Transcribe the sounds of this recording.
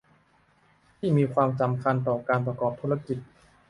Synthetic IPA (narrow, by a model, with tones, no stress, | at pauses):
t̪ʰiː˥˩miː˧kʰwaː˧msa˨˩mkʰa˧nt̪ɔː˨˩kaː˧npɾa˧kɔː˨˩p̚t̪ʰuː˦˥a˧ki˨˩t̪̚